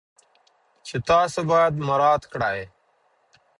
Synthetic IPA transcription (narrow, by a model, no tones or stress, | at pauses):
t͡ʃʰɪt̪aːsəbaːd̪məɾaːt̪kəɽaːɦeː